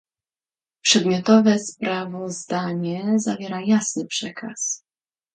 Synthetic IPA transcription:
pʂɛd̪mʲjɔt̪ɔvɛspɾʔavɔzd̪aɲɛzavʲjɛɾajasnɘpʂɛkʰa̰s

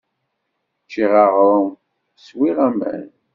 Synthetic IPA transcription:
t͡ʃːiʁɑʁɾˤə | swiʁæmæ̰n

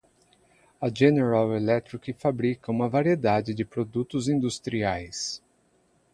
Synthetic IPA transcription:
ɐʒeneɾawelɛt̪ɾikɪfabɾikɐũmɐvaɾied̪ad͡ʒɪd͡ʒɪpɾod̪ut̪ʊzĩd̪ust̪ɾiajs

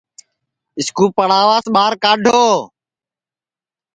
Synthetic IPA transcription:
ɪskuːpəɽ̤aːʋaːsɓaːɾkaːɖʱoː

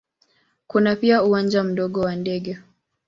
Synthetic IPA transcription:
kunapiauwand͡ʒam̩ɗɔɠɔwandɛɠɛ

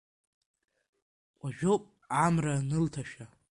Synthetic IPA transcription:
qʷʼaʒᶣopʼ | amranɨltʰaʃᶣa

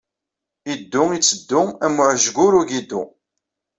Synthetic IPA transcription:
id̪ːʊit͡sːəd̪ːʊæmːʊʕʒɡʊɾuʝid̪u

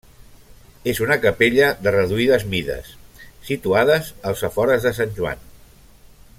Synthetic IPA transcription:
ezunəkəpeʎəðərəðuiðəzmiðə̰sːit̪uaðəzəlˠzəfɔɾəzðəsanʲʒua̰n

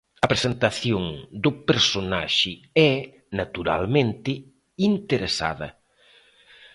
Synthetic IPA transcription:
ɐpɾesent̪aθjoŋd̪ʊpeɾsona̰ʃɪ | ɛ | nat̪uɾa̰lmẽnt̪ɪ | int̪eɾesa̰ðɐ̰

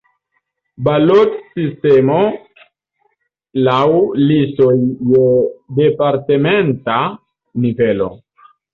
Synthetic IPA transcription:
balotsistemo̞ | lawlisojːede̞paɾtementa | nivelo̞̰

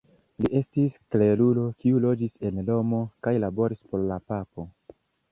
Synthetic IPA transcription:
liʔe̞stiskle̞lulo̞kiulo̞d͡ʒise̞nlo̞mo̞kajlabo̞ɾispo̞ɾlapapo̞

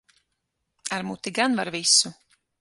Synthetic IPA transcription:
aɾmuːt̪iɡanvaɾvisu

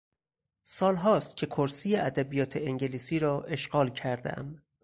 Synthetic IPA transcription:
sɒːlɦɒːst̪̚cʰe̞kʰoɾsiːjeæd̪æbijɒːt̪ʰeeŋɟeliːsiːɾɒːʔe̞ʃɢɒːlcʰæɾd̪æ̰æ̰m

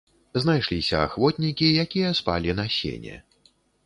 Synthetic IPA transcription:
znajʂlʲisʲɐa̰xvɔt̪ʲnʲikʲijakʲijɐspa̰lʲinɐsʲḛnʲɛ̰

